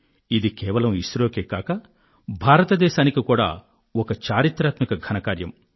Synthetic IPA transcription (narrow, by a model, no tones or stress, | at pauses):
id̪ikɛːʋɐlɐmiʃɾoːkeːkaːkɐ | bʱaːɾɐt̪ɐd̪ɛːʃaːnikikuːɽa̰ː | ɔkɐt͡ʃaːɾit̪ɾaːt̪mikɐɡʱɐnɐkaːɾjɐ̰m